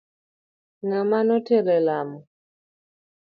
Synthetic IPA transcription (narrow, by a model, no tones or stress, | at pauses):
ŋamanɔtelɛlamɔ